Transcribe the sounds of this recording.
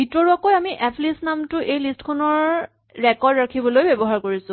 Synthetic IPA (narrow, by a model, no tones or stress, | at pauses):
bʱitɔɹuakojamiʔɛpʰlisnamtʊʔejlistkʰɔnɔɹ | ɹɛkɔdɹakʰibɔlojbebɔɦaɹkoɹisʊ̃